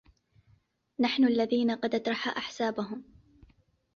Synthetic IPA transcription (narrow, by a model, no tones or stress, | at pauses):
naħnʊʔalːaðiːnaqɑd̪ʔɑt̪ɾˤɑħaːʔaħsaːbaɦʊm